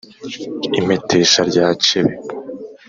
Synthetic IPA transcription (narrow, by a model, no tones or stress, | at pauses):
ime̞tʰe̞ːʃaɾɟaːt͡ʃeβe